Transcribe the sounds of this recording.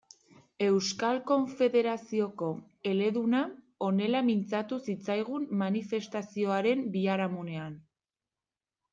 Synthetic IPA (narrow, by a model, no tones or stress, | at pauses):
e̞wskalko̞ɱfe̞ðe̞ɾasio̞ko̞ | e̞le̞ðuna | o̞ne̞lamint͡sat̪usit͡sajɣ̞umːanife̞st̪asio̞aɾe̞mbiaɾamune̞an